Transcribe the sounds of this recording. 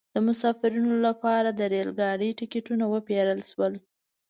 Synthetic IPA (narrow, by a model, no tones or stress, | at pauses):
d̪̥əmʊsɑfɪɾinolapɑɾad̪əɾelɡɑɽiʈɪkeʈunawəpeɾəlʃwəl